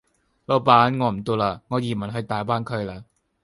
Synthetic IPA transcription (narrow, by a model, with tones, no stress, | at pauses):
lo˨˧wpaː˨˥nŋɔː˨˧m̩˨˩t̪o˧wlaː˧ŋɔː˨˧jiː˨˩mɐ˨˩nɦɵ˧ɥt̪aː˨˩jpaː˥nkʰɵ˨˧ɥlaː˧